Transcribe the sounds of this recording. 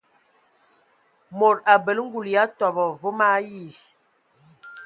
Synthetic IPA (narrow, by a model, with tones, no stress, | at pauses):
mo˨ɾa˨bə˨lŋ̩˦ɡu˨lja˨˦tɔ˨bɔ˨vo˦ma˦ji˦˨